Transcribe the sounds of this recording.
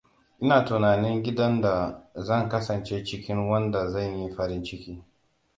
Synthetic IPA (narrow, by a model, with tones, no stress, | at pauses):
ʔɪ˦naː˨tʊ˨naː˨nɪ˦ŋɡʲɪ˦dɐ˦nda˨zɐ˦˨ŋkɐ˦sɐ˨nt͡ʃe˦t͡ʃɪ˦kʲɪ˦ŋwɐ˦nda˨zɐ˦˨ɲji˦ɸɐ˦ɾɪ˦nt͡ʃɪ˦kʲiː˦